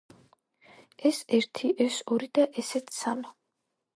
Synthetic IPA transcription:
ɛsɛɾt̪ʰiʔɛsɔɾid̪̥aʔɛsɛt̪ʰsamɛ

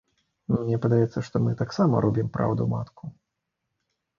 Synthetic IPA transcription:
numnʲɛpɐd̪ajɛt̪sːɐʂt̪ɔmɨt̪aksamɐ̰ɾɔbʲimpɾʔa̰wd̪ṵma̰t̪ku

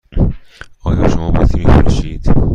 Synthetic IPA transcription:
ɒːjɒːʃomɒːbɒːzimifonʃiːd̪̥

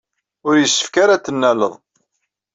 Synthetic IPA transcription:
ʊɾjəsːə̥fkaɾat̪ːənːæləðˤ

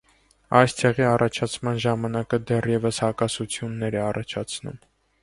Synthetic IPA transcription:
ɑjst̪ʰɛʁiɑrʔɑt͡ʃʰɑt͡sʰmɑnʒɑmɑnɑkəd̪ɛrjɛvəshɑkɑsut͡sʰjunːɛɾɛɑrɑt͡ʃʰɑt͡sʰnṵm

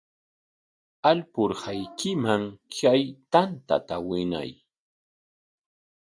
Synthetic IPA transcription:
alpʊɾhajkɪmaŋkajt̪ant̪a̰t̪awɪna̰j

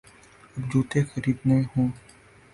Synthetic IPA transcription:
ɐbd͡ʒuːt̪ʰexəɾiːb̪nẽɦõː

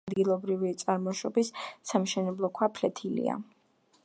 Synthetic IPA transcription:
d̪ɡilˠɔbɾivit̪sʼaɾmɔʃɔbisːamʃɛnɛblˠɔkʰwapʰlɛt̪ʰilḭa̰

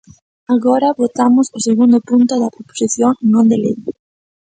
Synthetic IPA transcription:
aɣɔɾɐβot̪amʊsʊseɣund̪ʊpunt̪ʊðɐpɾopo̥siθjoŋnõnd̪elḛj

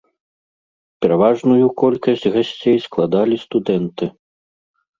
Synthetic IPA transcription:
pʲɛɾavaʐnujukɔlʲkɐsʲd͡zʲɣasʲt͡sʲejsklˠad̪alʲist̪ud̪ɛnt̪ɨ

